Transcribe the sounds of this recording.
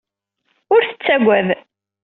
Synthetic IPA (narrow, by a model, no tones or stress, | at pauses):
ʊɾθə̥t͡sːæɡʷæð